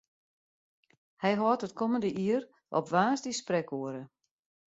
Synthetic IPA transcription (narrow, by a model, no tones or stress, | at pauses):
hɛjɦɔːtət̚kɔməndəʔiər | ʔɔ̰pʋaːsdisprɛkoəɾə